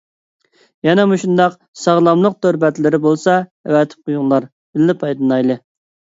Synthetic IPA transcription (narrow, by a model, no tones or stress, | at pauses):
jɛnɛmuʃund̪ɑq | sɑʁlˠɑmlˠəq̚t̪ʰøɾbɛt̪lɪɾɪbolˠsɑɛwɛt̪ʰɪ̥p̚qʰojuŋlˠɑɾ | b̥ɪlːɪpʰɑjd̪ɨnɑjlˠɨ